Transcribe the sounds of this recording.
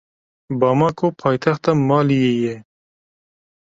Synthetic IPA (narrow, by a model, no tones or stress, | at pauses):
bɑmakʰopʰɑːjt̪ʰaxt̪amɑːlijeje